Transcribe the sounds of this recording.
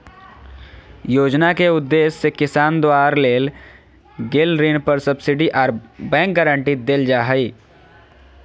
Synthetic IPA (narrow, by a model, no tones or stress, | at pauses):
joːd͡ʒnakeʊd̪ːeːsːekɪsaːnd̪waːɾleːl | ɡeːlɾiːnpəɾsəbsɪɖiʔaːɾbɛ̃ːk̚ɡəɾə̃ɳʈid̪eld͡ʒaːɦəiː